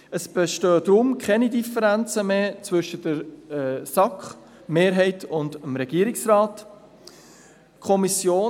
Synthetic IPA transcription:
əsb̥eʃtøːd̥ɾʊmkʰɛnidifəɾænt͡səmeːt͡svʏʃəd̥əɾsɑkχ | meːɾɦɛɪtʊndəmɾɛɡ̥iəɾɪksrɑːt | kʰɔmisjoː

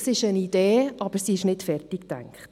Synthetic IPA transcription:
sɪʃənid̥eːɑb̥əɾsiɪʃnɪtfɛrtiktæ̰ŋkχt

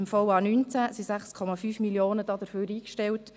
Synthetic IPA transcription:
ɪmfɔwɑːnynt͡sæsisæχskʰɔmɑfyːfmiljoːnəd̥ɑːd̥̪əɾføːɾiːkʃtɛlt

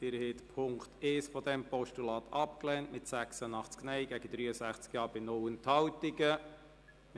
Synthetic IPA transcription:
ɪɾhet̪pʰʊŋkt̪ɛːsfɔd̪ɛmpɔʃtulɑːt̪ʰɑpklɛːntmɪtsæksənɑχt͡sknɛɪɡæɡ̥əd̥̪ɾyːəsæχt͡skjɑːɾb̥ɪnɔwənthɑwtiɡə | m

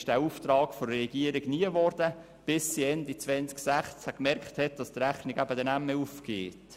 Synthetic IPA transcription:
ʃd̥æːuft̪ɾɑːkfoɾɾɛɡiəɾiɡniəʋɔrd̥ə | b̥ɪsːiɛndit͡sʋɛnt͡sksæχt͡shækmɛɾkχthɛt̚d̥ɑst̪ɾæχnɪɡæbəd̥ɛnæmːeufkeːt

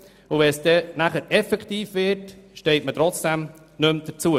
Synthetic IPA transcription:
ʊvɛnsd̥̪ɛnæχəɾɛfɛkt̪iːfvɪɾtʃtɛɪtmətɾɔt͡sd̥ɛm | nɵmd̪̥əɾt͡suə

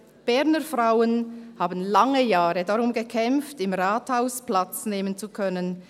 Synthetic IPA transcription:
b̥ɛʁnəfʁaʊənhaːbən̩laŋəjaːʁədaʁʊmɡəkʰɛmftɪmʁaːthaʊsplat͡sneːmənt͡sukʰœnən

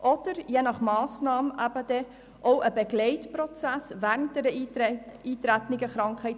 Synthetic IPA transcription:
ʔɔd̪̥əɾjenɑχmɑːsnɑːmʔæb̥əd̥ɛ | ʔoʊʔəbeɡlɛɪtprɔt͡sæsvæɾənt̚d̥ɛɾə | iːt̪ɾæt̪nɪɡəχɾɑŋkχhɛɪt

